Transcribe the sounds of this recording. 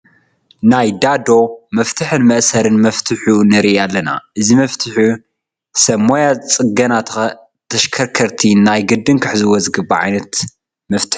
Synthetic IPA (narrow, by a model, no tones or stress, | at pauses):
najd̪ad̪o̞mɐft̪ʰɨħɨnmɐʔsɐɾɨnmɐft̪ʰɨħunɨɾiʔalːɐna̰ʔɨzimɐft̪ʰɨħu | sɐmːojat͡sʼɨɡɐnat̪ʰ | t̪ʰɐʃkʰɐɾkʰɐɾt̪ʰinajɡɨd̪ːɨnkʰɨħɨzɨwɔzɨɡɨbaʕa̰jnɐt̪ | mɐft̪ʰɨ̥ħu